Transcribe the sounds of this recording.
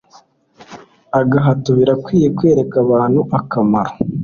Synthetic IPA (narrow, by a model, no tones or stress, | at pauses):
aɡaɦatuβiɾakwiːjekwe̞ːɾekaβaːn̥huʔakamaɾo̥